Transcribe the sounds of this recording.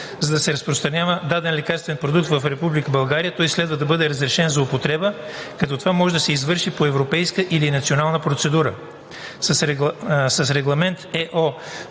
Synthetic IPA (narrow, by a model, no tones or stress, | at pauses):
zɐd̪ɐsɛɾɐspɾost̪ɾɐnʲjavəd̪ad̪ɛnlɛkaɾst̪vɛnpɾod̪uk̚t̪vɐfɾɛpublikəbɐlˠɡaɾijət̪ɔjslɛd̪vəd̪ɐbɤd̪ɛɾəzɾɛʃɛnzɐʊpot̪ɾɛbəkɐt̪ɔt̪ovamɔʒɛd̪ɐsɛizvɤɾʃipoɛvɾopɛjskəʔilinɐt̪sionalˠnəpɾot̪sɛd̪uɾə | sɐsɾɛsɐsɾɛɡlˠɐmɛnt̪ɛʔɔ